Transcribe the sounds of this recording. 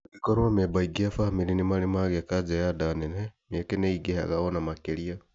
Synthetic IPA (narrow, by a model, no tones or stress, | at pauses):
kikoɾwamebaiɡiafahmiɾinimalimaɣekad͡ʒejadanenemiekeneiɡeha̰ɣaβonamakelia